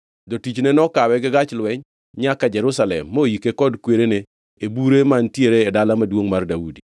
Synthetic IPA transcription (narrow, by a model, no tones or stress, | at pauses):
dɔtit͡ʃnenɔkawɛɡɪɡat͡ʃlwɛɲ | ɲakad͡ʒɛɾʊsalɛ̰mːojikekɔdkweɾeneː | buɾemantjeɾeːdalamadwoŋmardaudi